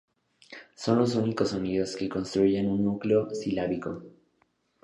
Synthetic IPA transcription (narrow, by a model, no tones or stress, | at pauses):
so̞nlo̞s̬unikosoniðo̞ske̞ko̞nst̪ɾuʝenunːukleosilaβiko̞